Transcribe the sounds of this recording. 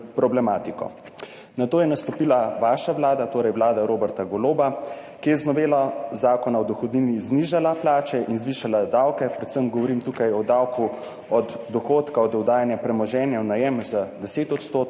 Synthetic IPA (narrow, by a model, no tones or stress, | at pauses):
pɾɔblɛmaːt̪ikɔ̰ | nat̪oːjɛnast̪ɔpiːlaʋaːʃaʋlaːd̪at̪oːɾɛjwlaːd̪aɾoːbɛɾt̪aɡɔloːbakiɛznɔʋeːlazaːkɔnaɔd̪ɔxɔd̪niːnizniːʒalaplaːt͡ʃɛʔinzʋiːʃalad̪awkɛpɾɛt̪səmɡɔʋɔɾiːmt̪ukajɔd̪awku | ɔd̪ːɔxoːt̪kaɔd̪ɛwd̪aːjanjapɾɛmɔʒɛːnjawnajɛmzad̪ɛseːt̪ɔt̪st̪oːt̪